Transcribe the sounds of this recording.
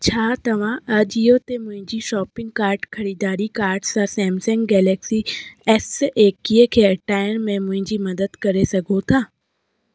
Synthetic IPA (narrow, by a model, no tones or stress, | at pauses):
t͡ʃʰaːt̪ɐʋ̤ãɐd͡ʒijot̪emʊ̃ɦɪ̃ɲd͡ʒiʃɔːpɪ̃ŋɡ̚kaːɾɖkʰɐɾiːd̪aːɾikaːɾɖsasɛ̃ːmsɛ̃ŋɡɡɛːlɛːksiɛsʔeːkːiekʰeɐʈaːjənmẽmʊ̃ɦɪ̃ɲd͡ʒimɐd̪əd̪kɐɾesɐɡʱot̪ʰaː